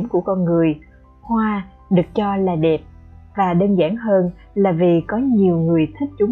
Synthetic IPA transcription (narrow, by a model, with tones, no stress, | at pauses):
mku˧˩əkɔ˧nŋɨ˨˩əj | hwaː˧ | ɗɨ˨˩ək̚t͡ɕɔ˧laː˨˩ɗɛ˨˩p̚vaː˨˩ɗəː˧nzaː˧˩ŋɦəː˧n | laː˨˩vi˨˩kɔ˨˦ɲi˨˩əwŋɨ˨˩əjt̪ʰï˦˥k̟̚t͡ɕʊ˨˦